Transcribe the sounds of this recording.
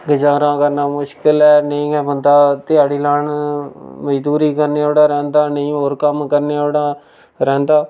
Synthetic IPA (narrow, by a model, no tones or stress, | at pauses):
ɡəd͡ʒaːɾãːkəɾnaːmʊʃkɪlɛːnəĩːɛːbənd̪aːt̪ɪjaːɽiːlaːɳ | məd͡ʒd̪uːɾiːkəɾneːoːɽaːɾɛ̃ːnd̪aːnəĩːɦoːɾkəmkəɾneːoːɽãː | ɾɛ̃ːnd̪aː